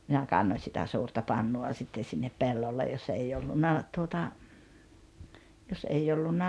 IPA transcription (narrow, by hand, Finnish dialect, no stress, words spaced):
minæ kɑnːoĭn̞ sitæ suːrtɑ pɑnːuɑ sitːen̞ sinːep pelːolːe jos ei olːunːɑ tuotɑ jos ʔei olːunːɑ